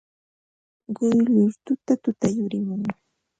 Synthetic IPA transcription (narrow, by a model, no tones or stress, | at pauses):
ɢʊjʎʊɾt̪ʊt̪at̪ʊt̪ajʊɾɪmʊŋ